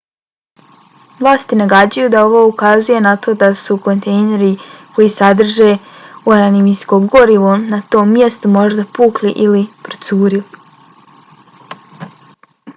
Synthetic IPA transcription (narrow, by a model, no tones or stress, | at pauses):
ʋlˠaːst̪inaɡad͡ʑujud̪ao̞ʋo̞ːukazuje̞nat̪o̞ːd̪asuko̞nt̪e̞jne̞ɾiko̞jiːsad̪r̩ʒe̞uanonimisko̞ɡo̞ɾiʋonat̪o̞ːmːje̞st̪umo̞ʒd̪apuːkliʔilipɾot̪suːɾili